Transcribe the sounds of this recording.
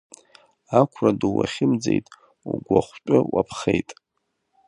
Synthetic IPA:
akʷʰraduwaχʲɪmd͡zejtʼ | uɡʷaχʷt͡ʃʷʼʊwapʰχejtʼ

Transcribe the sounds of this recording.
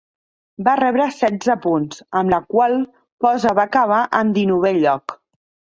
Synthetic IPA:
barɛβɾəsɛd͡zəpunzəmləkwalˠ | pɔzəβakəβ̞aʔənd̪inuβ̞eʎːɔk

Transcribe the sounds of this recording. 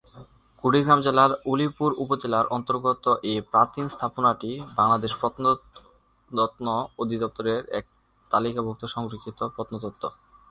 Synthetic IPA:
kuɽiɡɾamd͡ʑelaɾulipuɾupod͡ʑelaɾʔɔnt̪oɾɡot̪oʔepɾat̪inst̪ʰaponaʈibaŋlad̪eʃpɾɔt̪n | t̪nood̪ʱid̪ɔp̚t̪oɾeɾɛ̰k̚ | t̪alikabʱok̚t̪oʃɔŋɾokʰːit̪opɾɔt̪not̪ot̪ːo

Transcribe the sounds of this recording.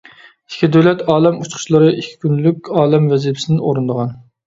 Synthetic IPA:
i̥kʲʰːid̪øwlɛt̪ɑːlˠɛmut͡ʃχʰʊ̥ʃlˠəɾɨʔikʲʰːi̥kʲynlykʲɑːlˠɛmvɛzipʰɪ̥sɪnɪno̰ɾɨnd̪əʁɑn

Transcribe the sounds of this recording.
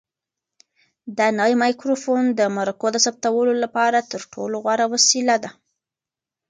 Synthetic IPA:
d̪ɑnawjmɑjkɾofond̪əmaɾakod̪əsap̚t̪awəlolapɑɾat̪əɾʈʰo̰loɣwaɾawasilad̪a

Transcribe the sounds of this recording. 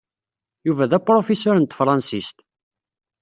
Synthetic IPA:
juvæðæpɾofesʊɾənt̪fɾˤɑnsist̪

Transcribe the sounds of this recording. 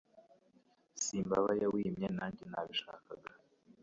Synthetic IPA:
siːmbaβajawimɲenaːɲɟinaβiʃa̰ːkaɡa

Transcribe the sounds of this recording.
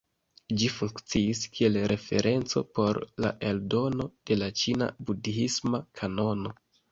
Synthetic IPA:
d͡ʒifuŋkt͡siiskʰie̞lɾe̞fe̞̰ɾʔe̞nt͡so̞̰po̞ɾla̰ʔe̞ldo̞no̞d̥e̞lat͡ʃina̰budiismakʰano̞no̞

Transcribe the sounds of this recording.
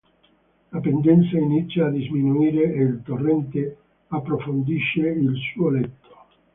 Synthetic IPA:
lapend̪ɛnt̪sainit̪sːjaːd̪izminuiːɾeeilt̪orːɛnt̪e | apːɾofond̪iʃːeilsuːolɛt̪ʰːo̥

